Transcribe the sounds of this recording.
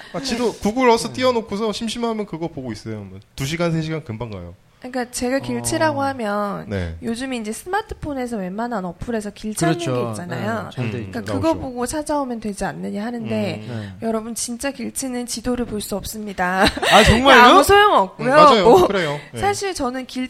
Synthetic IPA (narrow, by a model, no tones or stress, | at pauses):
at͡ɕidokuɡuɾɭʌsʰʌt͈iʌnokʰusʰʌɕʰimɕʰimɦamjʌnkɯɡʌpoɡois͈ʌjomʌtuɕʰiɡans̬ʰeɕ̬ʰiɡankɯmbaŋɡa̰jo̰ | ik͈at͡ɕe̞ɡakiɭt͡ɕʰiɾaɡohamjʌnnḛjod͡ʑɯmind͡ʑe̞sʰɯmatʰɯ̥pʰone̞s̬ʰʌwe̞mananʌpʰuɾe̞s̬ʰʌkiɭt͡ɕʰaiɡiit͡ɕ͈ana̰joik͈akɯɡʌpoɡot͡ɕʰad͡ʑaomjʌntwe̞d͡ʑianːɯɲiɦanɯnde̞jʌɾʌbunt͡ɕint͡ɕ͈akiɭt͡ɕʰinɯnt͡ɕidoɾɯɭpoɭs͈uʌp̚s͈ɯmɲidaat͡ɕʌŋmaɭmusʰojoŋʌp̚k͈ujomad͡ʑajokɯɾejosʰaɕʰiɭt͡ɕʌnɯnkiɭ